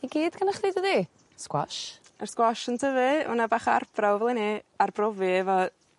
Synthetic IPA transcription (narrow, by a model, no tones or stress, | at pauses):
iɡiːd̥ɡʰənaχdejdəðiː | skwɔ̰ʃ | ərskwɔʃəntʰəvɨʊ̰nabaːχa̰rbʰrawvɛlˠiniarbrɔvɨvɔ